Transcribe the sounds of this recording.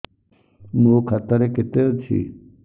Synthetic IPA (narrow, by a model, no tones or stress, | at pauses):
moːkʰɐt̪əɾekɪt̪et͡ʃʰḭ